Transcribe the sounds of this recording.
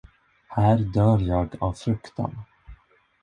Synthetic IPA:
hæːɾd̪œːɾjɑːɡa̰vfɾɵkt̪ʰa̰n

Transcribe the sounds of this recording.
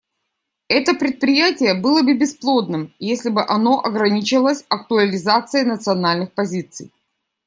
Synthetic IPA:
ɛt̪əpɾʲɪt̪̚pɾʲɪjætʲɪjəbɨlˠəbɨbʲɪsplˠo̞d̪nɨmjesʲlʲɪbɨʔɐno̞ʔɐɡɾɐnʲit͡ɕɪlˠəsʲɐkt̪ʊəlʲɪzat̪sɨjənət̪sɨɐnalʲnɨxpɐzʲit̪sɨ̰j

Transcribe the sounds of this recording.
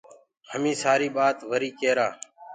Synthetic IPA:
həmĩːsaːɾiːɓaːt̪ʋəɾiːkeːɾaː

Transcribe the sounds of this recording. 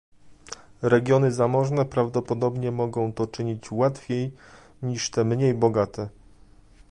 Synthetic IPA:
ɾɛɡʲjɔnɘzamɔʐnɛpɾavd̪ɔpɔd̪ɔbɲɛmɔɡɔ̃w̃t̪ɔt͡ʂɘɲit͡ɕwat̪fʲej | ɲiʂt̪ɛmɲejbɔɡat̪ɛ

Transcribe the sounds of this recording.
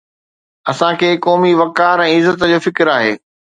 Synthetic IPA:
ɐsãkʰeːkɔːmiʋɐkaːɾɛ̃ːɪzət̪əd͡ʑoːfɪkɾaːɦḛː

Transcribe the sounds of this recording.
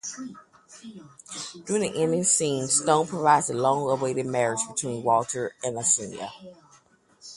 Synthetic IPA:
d̥ʉɹɪ̃ŋðiʔɛ̃ndɪ̃ŋsĩnstõʊ̃npʰɹ̥əvaɪdzəlɔ̃ŋəweɪɾɨd̚mɛɹɪd͡ʒbɨtʰw̥ĩnwɔlˠtʰə˞ɨ̃nəsɪ̃nḭə̰

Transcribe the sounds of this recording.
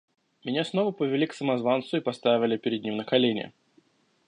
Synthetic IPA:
mʲɪnʲasno̞vəpəvʲɪlʲiksəmɐzvant̪sʊipɐst̪avʲɪlʲɪpʲɪɾʲɪd̪̚ʲnʲimnəkɐlʲenʲɪ̰

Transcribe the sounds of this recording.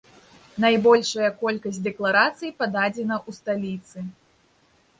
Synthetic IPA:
najbɔlʲʂɐjɐkɔlʲkɐsʲtʲd̪ɛklˠaɾat̪sɨjipad̪ad͡zʲɛnɐʔust̪alʲit̪sɨ

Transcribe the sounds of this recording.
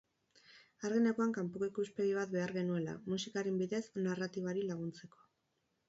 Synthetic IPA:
aɾɣenekoaŋkampukikuspe̞ɣiβ̞at̪be̞aɾɣe̞nue̞la̰musikaɾembiðe̞snarat̪iβaɾilaɣ̞unt͡se̞ko̞̥

